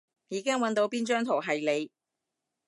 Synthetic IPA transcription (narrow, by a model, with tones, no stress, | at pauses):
jiː˨˧kɪ˥ŋwɐ˨˥nt̪o˧˥wpiː˥nt͡ʃœː˥ŋt̪ʰo˨˩wɦɐ˨jle˨˧j